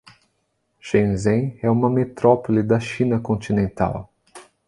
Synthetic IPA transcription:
ʃẽzẽj̃ɛũmɐmet̪ɾɔpolid̪ɐʃĩnɐkõnt͡ʃinẽnt̪a̰w

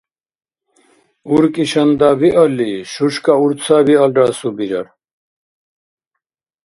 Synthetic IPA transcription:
uɾkiɕɐnd̪aβiʔʌliʃuʂkauɾt͡sʰaβiɐlɾasubiɾɐ̰ɾ

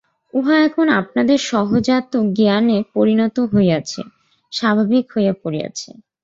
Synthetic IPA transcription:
uɦaɛkʰona̰p̚nad̪eɾʃɔɦod͡ʑat̪ːoɡianepoɾinɔt̪oɦoeat͡ɕʰḛ | ʃabʱabikɦojapoɾia̰t͡ɕʰḛ

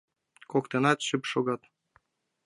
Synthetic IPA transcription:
kokt̪enɑt̪ɕypʃoɡɑt̪

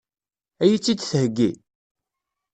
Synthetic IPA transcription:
æjit͡sːid̪θəhəɡːi

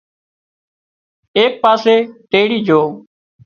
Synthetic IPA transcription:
eːk̚paːseːʈeːɽiːd͡ʒʱoː

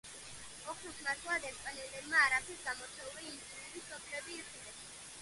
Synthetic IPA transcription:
ɔχʰlusmasʰwad̪ɛɾkʼɛnɛlɛbmaːɾapʰɛɾɡamɔt̪sʰɛuliːnt̪iɾɛbisɔpʰlɛbiːχʼilɛs

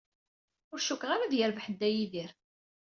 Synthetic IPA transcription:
ʊɾʃukʁaɾaðjəɾvħəd̪ːæjiðiɾ

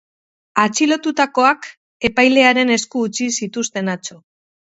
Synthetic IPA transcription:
at͡ʃilo̞t̪ut̪ako̞ak | e̞pajle̞aɾe̞ne̞skuːt͡sisit̪ust̪e̞nat͡ʃo̞

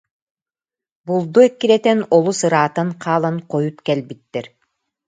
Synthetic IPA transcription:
bulˠd̪uɛkːiɾɛt̪ɛnɔlˠusɯɾaːt̪anqʰaːlˠanqɔjut̪kɛlʲbit̪ːɛɾ

